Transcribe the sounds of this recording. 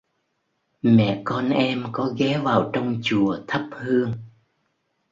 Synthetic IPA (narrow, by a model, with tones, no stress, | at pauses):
mɛ̰˧˨kɔ˧nʔɛ˧mkɔ˨˦ɣɛ˨˦vaː˨˩wt͡ɕɔ˧wŋ͡mt͡ɕu˨˩ət̪ʰə˦˥p̚hɨ˧əŋ